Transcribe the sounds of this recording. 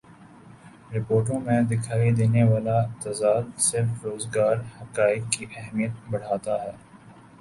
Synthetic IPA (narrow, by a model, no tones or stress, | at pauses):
ɾɪpoːɾʈ̬õmẽd̪ɪkʰaːid̪eːneʋaːlat̪ɐzaːd̪sɪɾfɾoːzɡaːɾhɐkaːɪkːiʔɛɦmijət̪̚bɐɽ̤aːt̪aɦɛː